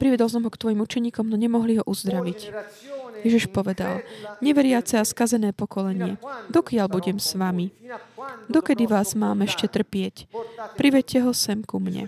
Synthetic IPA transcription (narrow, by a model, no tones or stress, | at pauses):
pɾiʋɛd̪ɔls̬ɔmɦɔkt̪ʋɔjimut͡ʃɛɲiːkɔmnɔɲɛmɔɦliɦɔʔuzd̪ɾaʋic | jɛʒiʃpɔʋɛd̪a̰lɲɛʋɛɾɪat͡sɛaskazɛnɛːpɔkɔlɛɲɪɛ̰d̪ɔkɪalbuɟɛmsʋami | d̪ɔkɛd̪iʋaːzmaːmɛʃcɛt̪r̩pɪɛcpɾiʋɛcːɛɦɔsɛmkumɲɛ̰